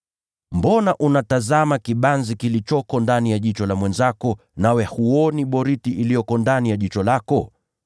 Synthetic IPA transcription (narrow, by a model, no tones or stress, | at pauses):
mbɔnaʔunatazamakiɓanzikilit͡ʃɔkɔndanijaʄit͡ʃɔlamwɛnzakɔ | nawɛhuɔniɓɔɾitiʔilijɔkɔndanijaʄit͡ʃɔlakɔ